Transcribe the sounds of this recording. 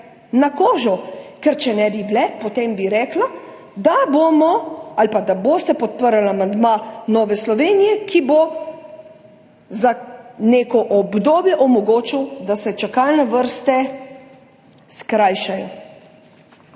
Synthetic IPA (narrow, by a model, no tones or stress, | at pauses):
nakoːʒɔkɛɾt͡ʃɛnɛbiblɛpɔt̪eːmbiɾɛːkla | d̪aboːmɔalpad̪aboːst̪ɛpɔt̪̚pəɾalamand̪manɔːʋɛslɔʋeːnijɛkʰibo | zaneːkɔʔɔbd̪oːbjɛʔɔmɔɡoːt͡ʃiwd̪asɛt͡ʃakalnɛʋəɾst̪ɛ | skɾaːjʃajɔ̰